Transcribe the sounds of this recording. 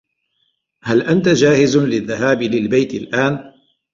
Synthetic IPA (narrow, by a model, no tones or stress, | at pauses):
halʔant̪ad͡ʒaːhɪzlɪðːahaːbɪlɪlbajt̪ɪlʔaːn